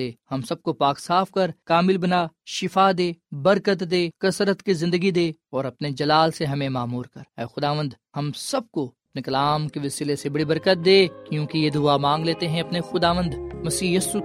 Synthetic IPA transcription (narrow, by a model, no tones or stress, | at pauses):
eːhɐmsɐb̚kopaːksaːfkɐɾkaːmɪlbɐnaːʃɪfad̪eːbɐɾkət̪d̪eːkɐsɾət̪kizɪ̃nd̪əɡid̪eːɔːɾɐpned͡ʒɐlaːlseɦɐmẽmaːmuːɾkɐɾɛːxʊd̪aːʋə̃nd̪ | hɐmsɐb̚koɐpnekɐlaːmkeʋɪsɪlesebɐɽibɐɾkət̪̚d̪eːkjõːkijed̪ʊamãːŋɡleːt̪eɦɛ̃ɐpnexʊd̪aːʋə̃nd̪mɐsiːjɐsu